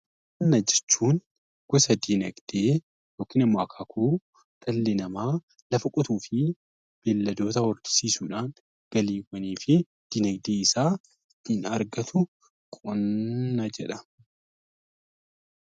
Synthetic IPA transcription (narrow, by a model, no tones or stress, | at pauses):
kʼ | ɔnːɐd͡ʒɛɾt͡ʃːuːn | ɡ̥ɔsɐd̪inɐɡd̪̥eː | joːkːiːnɐmːoɐkʰaːkʰuː | t̪ʼɐlːɛnɐmaː | lɐfɐkʼɔt̪uːfɪ | b̥eːlːɐd̪o̞ːt̪ɐwɔɾd̪ɪ̥siːsuːᶑaːn | ɡ̥ɐliːwːɐniːfɪ | d̪̥inɐɡd̪eːɪsaː | inɐɾɡɐt̪ʊ | kʼɔnːɐd͡ʒɛᶑɐ